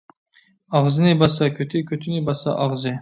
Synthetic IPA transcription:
ɑʁzɨnɪbɑsɑkʲʰøt̪ʰɪkʲʰøt̪ʰɪnɪbɑsɑ̰ʔɑʁzɨ

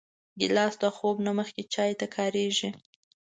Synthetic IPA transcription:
d̪ə̰lɑsd̪axobnaməxket͡ʃɑjt̪akʰɑɾeʒi

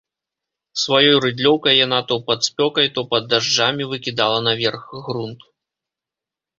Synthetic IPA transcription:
svajɔjrɨd̪lʲɔwkɐjːanat̪ɔpɐt̪spʲɔkɐjt̪ɔpɐd̪ːaʐd͡ʐamʲivɨkʲid̪alˠɐnavʲɛrxɣɾunt̪

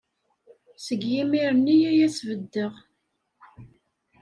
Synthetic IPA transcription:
səɡjimiɾənːijæjæsvəd̪ːəʁ

